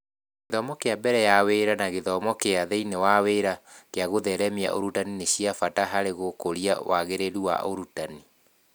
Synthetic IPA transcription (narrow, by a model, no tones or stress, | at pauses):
ɡeðɔmɔkeabɛɾɛjaweɾanaɣeðɔmɔkeaðɛinewaweɾakeaɣoðɛɾɛmia̰ʔo̰ɾutanineɕiafataɦaɾeɣokoɾia̰waɣeɾeɾuwa̰ʔoɾutani